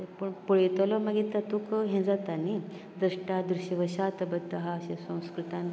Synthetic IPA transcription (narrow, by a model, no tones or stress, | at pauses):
pəɳpuɭet̪ɔlɔməɡit̪at̪ukɦẽd͡zat̪ani | d̪ɾuʂʈad̪ɾuɕəʋəɕat̪əbət̪əɦaəɕẽsə̃w̃skɾut̪ãn